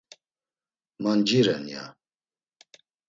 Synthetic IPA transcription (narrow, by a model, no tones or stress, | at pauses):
mand͡ʒiɾɛnja̰